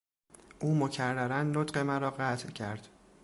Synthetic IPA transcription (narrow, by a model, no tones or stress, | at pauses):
ʔuːmocʰærːæɾænːot̪ɢe̞mæɾɒːɢæt̪ʰcʰæɾd̪̥